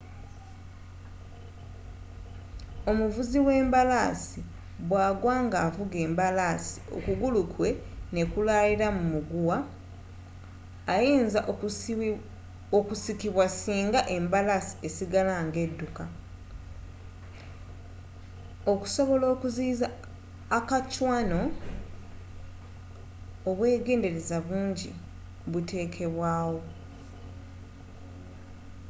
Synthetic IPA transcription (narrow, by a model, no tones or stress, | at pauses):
o̞muvuziwe̞ːmbalaːsi | βwaːɡwaːŋɡaːvuɡe̞ːmbalaːsi̥o̞̰kuɡulukwe̞ | ne̞kulaliɾamumuɡuwa | jiːnzaʔ | okusikiβwasiːŋɡaʔe̞mbalasi̥e̞siɡalaŋɡe̞dːuka | oku̥so̞βo̞lo̞ːkuziːzaː | kacwano̞ | oβwe̞ːɡe̞ːnde̞ɾe̞zaβuːɲɟḭ | βutʰe̞ːkʰe̞βwaːwo̞